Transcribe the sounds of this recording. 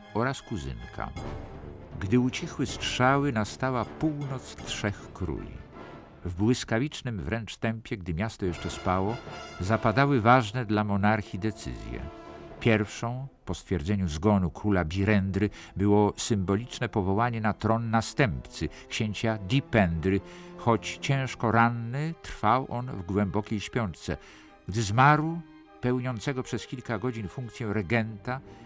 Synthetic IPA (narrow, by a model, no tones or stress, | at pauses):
ɔɾaskuzɘ̰nkʰa̰ | ɡd̪ɘut͡ɕixwɘstʂawɘnast̪awapuwnɔt̪stʂɛxkɾṵjḭ | vbwɘskavʲit͡ʂnɘmvɾɛnt͡ʂt̪ɛmpʲjɛɡ̚d̪ɘmʲjast̪ɔjɛʂt͡ʂɛspawɔzapad̪awɘvaʐnɛd̪lamɔnaɾxʲid̪ɛt̪sɘ̰zʲjɛ̰ | pʲjɛɾfʂɔ̃w̃pɔst̪fʲjɛɾd̪zɛɲuzɡɔnukɾulabʲiɾɛnd̪ɾɘ | bɘwɔsɘmbɔlʲit͡ʂnɛpɔvɔwaɲɛnat̪ɾɔnːast̪ɛmpt̪sɘ | kɕeɲt͡ɕad̪ʲipɛnd̪ɾɘxɔt͡ɕt͡ɕɛ̃w̃ʂkɔɾanːɘt̪ɾfawʔɔnvɡwɛmbɔkʲejɕpʲjɔnt͡ʂt̪sɛ̰ | ɡd̪ɘzmaɾwu | pɛwɲɔnt̪sɛɡɔpʂɛskʲilkaɡɔd͡ʑinfuŋk̚t̪sʲjɛɾɛɡɛnt̪a